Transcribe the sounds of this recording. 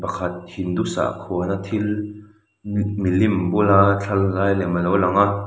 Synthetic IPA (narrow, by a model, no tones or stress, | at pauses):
pɐkʰɐt̪̚hind̪usa̰kʰuɐnat̪ʰil | milimbulaːt͡ɬʰɐlːaːjlɛmɐlɔwlɐŋaʔ